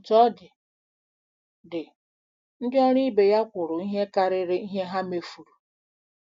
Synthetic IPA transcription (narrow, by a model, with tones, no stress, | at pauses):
tɔ˦dɪ˨ | dɪ˨ | n̩˦dɪ˦ɔ˦ɾi˦be˨ja˦kʷʊ˨ɾʊ˨i˦ɦe˦ka˨ɾɪ˦ɾɪ˦i˦ɦe˦ɦa˦me˨fu˨ɾu˨